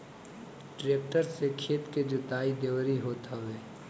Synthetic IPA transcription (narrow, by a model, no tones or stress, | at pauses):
ʈɾeːk̚ʈəɾsekʰeːt̪ked͡ʒot̪aːid̪eːʋɾiɦoːt̪aɦʊeː